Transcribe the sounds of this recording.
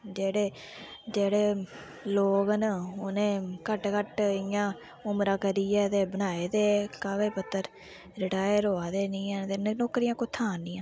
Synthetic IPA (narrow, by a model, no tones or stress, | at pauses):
d͡ʒeːɽeː | d͡ʒeːɽeː | loːkənʊnẽːkəʈkəʈɪjãː | ʊmɾãːkəɾiːjɛːt̪eːbənaːeːt̪eːkaːʋeːpət̪ːəɾ | ɾɪʈaːjəɾɦoːaːd̪eːnĩːɛnt̪eːnnoːkːɾijãːkʊt̪ʰãːnɪ̃ːãː